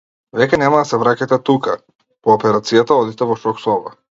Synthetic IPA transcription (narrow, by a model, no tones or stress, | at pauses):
vɛkɛnɛmad̪asɛvɾacat̪ɛt̪uka | pɔːpɛɾat̪sijat̪aɔd̪it̪ɛvɔʃɔksɔva̰